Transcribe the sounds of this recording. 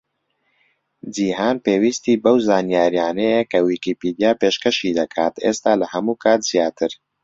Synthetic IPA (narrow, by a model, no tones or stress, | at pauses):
d͡ʒiːɦaːnpeːwiːst̪iːbɐwzaːnjaːɾjaːnɛjekɐwiːkiːpiːd̪ijaːpeːʃkɐʃiːd̪ɐkʰa̰ːt̪ʰeːst̪aːlɐhɐmuːkʰaːt̪z̥ijaːt̪ʰɨɾ